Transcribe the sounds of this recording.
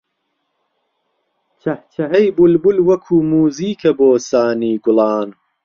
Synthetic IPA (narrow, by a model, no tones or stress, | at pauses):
t͡ʃʰɐht͡ʃʰɐɦɐjbulbulwɐkʰuːmuːziːkʰɐboːsaːniːɡʊlˠɑːn